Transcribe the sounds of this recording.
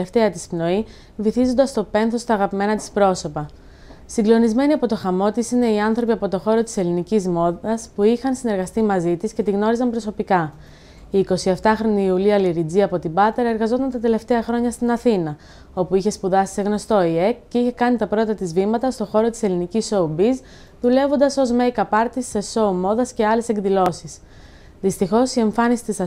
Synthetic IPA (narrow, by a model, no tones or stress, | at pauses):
eft̪e̞ɐt̪ispno̞i | viθizo̞nd̪ɐst̪o̞pe̞nθo̞st̪ɐːɣɐpime̞nɐt̪i̥spɾo̞so̞pɐ | siŋɡlo̞nizme̞niɐpo̞t̪o̞xɐmo̞t̪isine̞iɐnθɾo̞piɐpo̞t̪o̞xo̞ɾo̞t̪i̥se̞linicizmo̞ðɐspuixɐnsine̞ɾɣɐst̪imɐzit̪isce̞t̪iɣno̞ɾizɐmbɾo̞so̞pikɐ | iːko̞sie̞ft̪ɐxɾo̞niːuliɐliɾid͡ziɐpo̞t̪ibɐt̪eɾɐe̞ɾɣɐzo̞t̪ɐnt̪ɐt̪e̞le̞ft̪e̞ɐxɾo̞ɲɐst̪inɐθinɐ | o̞puiçe̞spuðɐsi̥se̞ɣno̞st̪o̞iekceiçe̞kɐnit̪ɐpɾo̞et̪ɐt̪izvimɐt̪ɐst̪o̞xo̞ɾo̞t̪i̥se̞liniciso̞ubiz | ðule̞vo̞nd̪ɐso̞zmejkɐpɐɾt̪ise̞so̞umo̞ðɐsce̞ɐle̞se̞ŋɡðilo̞sis | ðist̪ixo̞sie̞ɱfɐnisi̥t̪isɐ